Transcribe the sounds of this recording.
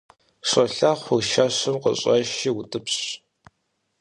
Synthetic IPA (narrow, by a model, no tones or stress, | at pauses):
ʂɐɬaːχʷʊʃɐɕɨmqə̰ɕʼɐʃiːwʊtʼɨpɕ